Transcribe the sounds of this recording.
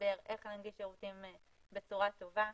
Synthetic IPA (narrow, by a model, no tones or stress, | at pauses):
be̞ʁʔeχnanɡiʃeʁutim | bet͡suʁat̪o̞va